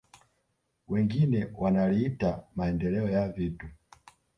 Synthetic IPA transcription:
wɛŋɡinɛwanaliitamaɛndɛlɛɔjavitu

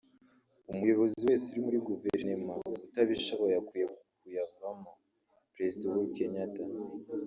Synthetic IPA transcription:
umujo̞βo̞ziwe̞ːsuɾimuɾiɡuveɾnemautaβiʃoβojakujeβ | ujavama | pɾe̞zidawuike̞ɲata

